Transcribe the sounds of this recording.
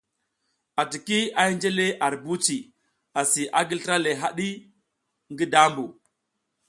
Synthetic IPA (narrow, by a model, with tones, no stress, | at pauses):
a˨ti˨ki˦a˦i˦nd͡ʒe˦le˦ʔa˨ɾbu˦t͡ʃi˨ | a˨si˨ʔa˦ɡi˦ltɾa˦le˨ɦa˦ɗi˦ | ŋɡi˦da˦mbu˨